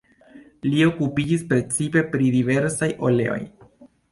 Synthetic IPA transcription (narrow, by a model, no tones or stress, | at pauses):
lio̞kupid͡ʒispɾe̞t͡sipe̞pɾidive̞ɾsajʔo̞le̞̰o̞̰j